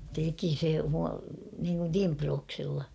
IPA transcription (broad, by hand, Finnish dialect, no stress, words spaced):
teki se mu niːŋkun timproːksɪlːɑ